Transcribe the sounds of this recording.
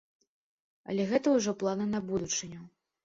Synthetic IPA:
ɐ̰lʲɛɣɛt̪ɐwʐɔplˠanɨnɐbud̪ut͡ʂɨnʲɐ

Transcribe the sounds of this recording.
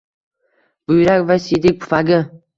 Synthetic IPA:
b̥ʊjɾakʲvasid̪ɪk̚ʲpʰʊ̥faɡʲɪ

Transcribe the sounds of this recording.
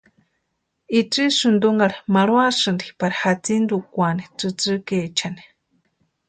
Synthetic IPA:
it͡sisɨnd̪uŋɡaɾimaɺwasɨnd̪ipaɾihat͡sind̪ukʷanit͡sɨt͡sɨket͡ʃʰani̥

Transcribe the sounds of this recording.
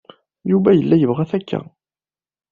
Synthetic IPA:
jubæjəlːæjəvʁæθækːæ̰

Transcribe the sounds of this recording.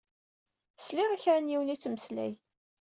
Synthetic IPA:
θsliʁiçɾænjiwənit͡sːməslæ̰j

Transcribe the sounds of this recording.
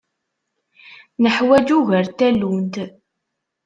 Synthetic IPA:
nəħwæd͡ʒuʝəɾt̪ælːunt̪

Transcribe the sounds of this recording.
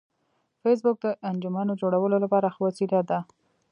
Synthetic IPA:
fes̬bʊk̚d̪əʔand͡ʒʊmanod͡ʒoɽawəlolapɑɾaxwasiɾad̪a

